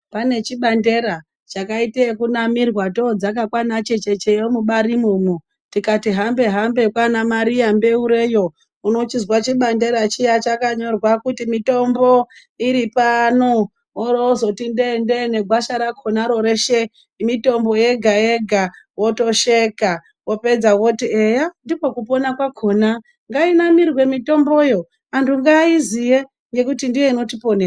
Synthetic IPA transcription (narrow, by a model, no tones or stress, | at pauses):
pane̞t͡ʃiɓande̞ɾa | t͡ʃakaitekunamirwatod͡zakakwanat͡ʃe̞t͡ʃe̞t͡ʃejomuɓaɾimumu | tikatiɦambe̞ɦambe̞kwanamaɾijambe̞uɾe̞jo̞ | uno̞t͡ʃizwat͡ʃiɓande̞ɾat͡ʃijat͡ʃakaɲo̞rwakutimito̞mbo̞ | iɾipano | orzo̞tindendene̞ɡʱwaʃaɾakʰonaɾo̞ɾeʃe | mito̞mbo̞je̞ɡʱajeɡʱawo̞to̞ʃeka | wo̞pe̞d͡zawotiejandipo̞kupo̞nakwakʰo̞na | ŋɡainamirwe̞mito̞mbo̞jo̞ | antuŋɡaizije | ŋɡe̞kutindijeino̞tipo̞nea